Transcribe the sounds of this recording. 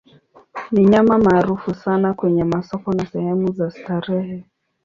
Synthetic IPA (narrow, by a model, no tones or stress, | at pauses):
niɲamamaːɾufusanakwɛɲɛmasɔkɔnasɛhɛmuzastaɾɛhɛ